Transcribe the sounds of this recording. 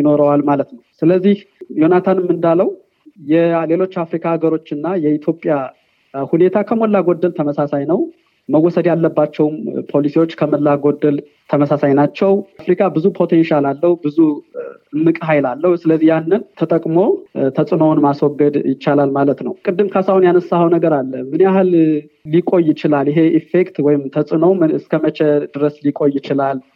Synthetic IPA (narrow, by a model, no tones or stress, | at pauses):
jɪno̞ɾəwalmalət̪nəwsɨləzːihjo̞nat̪ʰanɨmːɨnd̪aləw | jɛle̞lo̞t͡ʃːafɾikʰaaɡəɾo̞t͡ʃːɨnːajɛit̪ʰjopʼja | hune̞t̪ʰakʰəmolːaɡod̪ːəlt̪ʰəməsasajnəw | məwːɔsəd̪jalːəbːat͡ʃːɛwmpʰo̞lisiwot͡ʃːkʰəməlːaɡod̪ːəl | t̪ʰəməsasajnat͡ʃːɛwfɾikʰʼabɨzupʰo̞t̪ʰe̞nʃalalːəhubɨzuɨmːɨkʼɦajlalːəhusɨləzːijanːɨnt̪ʰət̪ʼəkʼmo̞t̪ʰəsʼɨnownmaswɔɡːəd̪jɪt͡ʃːalalmalət̪nəwkʼɨd̪ːɨmkʰasawnjanəsːahəwnəɡəɾalːəmɨneaɦɨllikʼo̞jːɪt͡ʃɪlaljɪɦe̞ʔifekt̪wɔjɪmt̪ʰəsʼɨnowmɨskʰəmət͡ʃed̪ɨɾəslikʼo̞jːɪt͡ʃɪlal